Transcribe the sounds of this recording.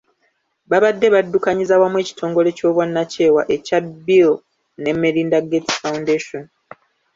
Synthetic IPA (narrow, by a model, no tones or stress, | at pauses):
βaβadːe̞βadːukaɲizawamwe̞ːci̥tʰo̞ːŋɡo̞le̞co̞ːβwanːace̞ːwa̰ʔe̞cabil | ne̞meɾiːndaɡetfawundeːʃon